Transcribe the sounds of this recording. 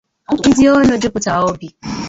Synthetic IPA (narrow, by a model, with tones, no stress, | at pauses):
i˦di˦ɔ˦no˨˦dɪ˦kʊ˨ta˨ɔ˦bi˨